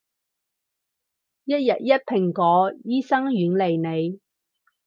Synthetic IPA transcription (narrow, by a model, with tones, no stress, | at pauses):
jɐ˥t̚jɐ˨t̚jɐ˥t̚pʰɪ˨˩ŋkɔː˨˥jiː˥sɐ˥ŋɥyː˨˥nle˨jne˨˧j